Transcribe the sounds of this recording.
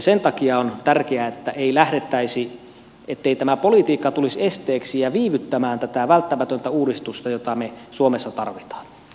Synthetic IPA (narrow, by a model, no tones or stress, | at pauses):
sent̪ɑkiɑont̪ærkeæet̪ːæʔeilæhɾet̪ːæisi | et̪ːeit̪æmæpolit̪iːkːɑt̪ulisest̪eːksijɑʋiːʋyt̪ːæmæːnt̪æt̪æʋælt̪ːæmæt̪ønt̪æuːdist̪ust̪ɑjot̪ɑmesuomesːɑt̪ɑrʋit̪ɑ̥ːn